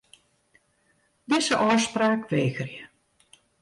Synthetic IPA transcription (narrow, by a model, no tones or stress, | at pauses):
dɪsəʔɔːspraːkʋeːɣərjə